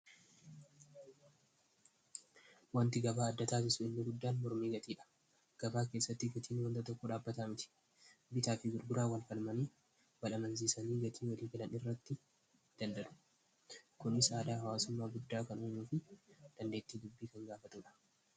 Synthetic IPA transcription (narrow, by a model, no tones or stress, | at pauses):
wɐnt̪ɪɡɐbaːɐd̪ːɐt̪aːs̬ɪsʊɪnːɪɡʊd̪ːaːnmɔɾmiːɡɐt̪iːᶑɐ̥ | ɡ̥ɐbaːke̞ːsːɐt̪ːɪɡɐt̪iːnwɐnd̪ɐt̪ɔkːɔᶑaːbːɐt̪amɪt̪ɪ̥ | bɪt̪aːfɪɡʊɾɡʊɾaːwɐlfɐlmɐniː | wɐlɐmɐns̬isɐniːɡɐt̪ʰiːwɐliːɡɐlɐnɪrːɐt̪ːɪ | d̪̥ɐnd̪ɐʔʊ̥ | kʊnɪsaːd̪aːhɐwaːsʊmːaːɡʊd̪ːaːkɐnoːɲuːfɪd̪̥ɐnd̪eːt̪ːiːd̪ʊbːiːkɐŋɡaːfɐt̪uːᶑɐ̥